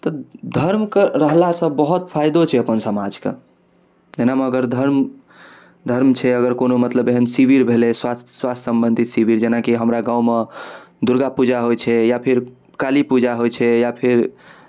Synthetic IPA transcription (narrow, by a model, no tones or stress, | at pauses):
t̪ɔd̪ʱəɾmkeɾəɦlasə̃bbəɦut̪pʰajd̪ot͡ʃʰɛəpənsəmad͡ʒkḛ | d͡ʒenameəɡəɾd̪ʱəɾm | d̪ʱəɾmt͡ʃʰɛəɡəɾkonomət̪ləbeɦənsibiɾbʱeleswaswast̪səmbənd̪ʱit̪sibiɾd͡ʒenakiɦəmɾaɡãwmed̪uɾɡapud͡ʒaɦojt͡ʃʰɛjapʰiɾ | kalipud͡ʒaɦojt͡ʃʰɛjapʰiɾ